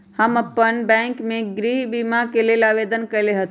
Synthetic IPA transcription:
həmɐpːənbɛ̃ːŋkmẽɡɾiːɦbimakelelaːʋeːd̪ənkɐleɦət̪

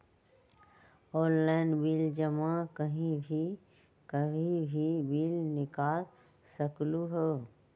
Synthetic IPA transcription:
ɔːnlaɪnbiːld͡ʒəmakəɦĩbʱi | kəbʱĩbʱibiːlnɪkaːl | səkluɦɛ

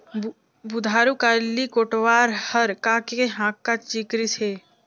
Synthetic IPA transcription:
bud̪ʱaːɾukaːlikoːʈʋaːɾhəɾkakeɦãːkːat͡ʃikɾiseː

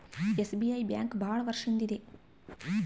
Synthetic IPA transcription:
esbijɐjbjaːŋkbʱaːɭɐʋɐɾʂɐnd̪id̪e

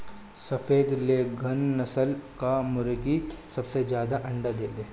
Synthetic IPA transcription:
sɐfeːd̪leɡʱɐnːɐsəlkamʊɾɡisɐbsed͡ʒjaːd̪aʔɐ̃ɳɖad̪eːleː

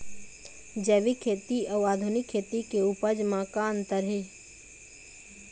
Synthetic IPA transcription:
d͡ʒəːʋikʰːeːt̪iɐwaːd̪ʱʊnɪkʰːeːt̪ikeupəd͡ʒmãːkaːnt̪əɾɦe

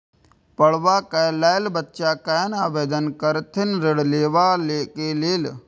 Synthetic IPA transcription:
pəɽ̤ʋakɛlaːlbətːʃaːkanaːbeːd̪ənkəɾt̪ʰɪnɾɪɽleːʋaleːkeleːl

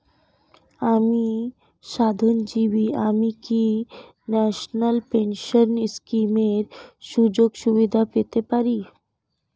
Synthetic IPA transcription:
ami | ʃad̪ʱond͡ʑiʋiamiki | nɛʃnəlpenʃənskimeɾʃud͡ʑoɡʃubid̪ʱapet̪epaɾi

